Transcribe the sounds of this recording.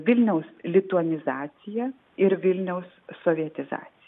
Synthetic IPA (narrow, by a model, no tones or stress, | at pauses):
ʋʲɪlʲnʲɛʊslʲɪt̪ʊɐnʲɪzɑːt̪sʲɪjɛ | ɪɾʋʲɪlʲnʲɛʊsːoːʋʲiɛt̪ʲɪzɑ̰ːt̪ʲɪɪj